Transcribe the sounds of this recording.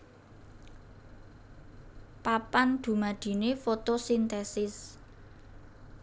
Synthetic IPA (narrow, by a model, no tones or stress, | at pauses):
papand̪̥ṳmad̪̥i̤nefot̪osint̪ɛsɪs